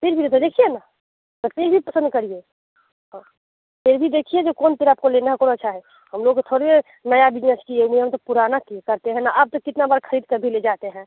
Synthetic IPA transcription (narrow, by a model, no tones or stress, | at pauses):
pʰiɾbʱiɾet̪d̪ekʰijena | t̪ət̪eɾbʱipəsə̃nd̪̚kəɾie | ɦã | t̪eɾbʱid̪ekʰijed͡ʒokont̪eɾaːp̚koleneɦɛ̃koːnətːʃʰaɦɛ | həmloɡkt̪ʰoɾbe | nəjabɪd͡ʒnəskieumjmt̪opuɾanakikəɾt̪eɦɛ̃naʔab̚t̪okɪt̪nabaːɾkʰəɾiːd̪̚kəbʱiled͡ʒat̪eɦɛ̃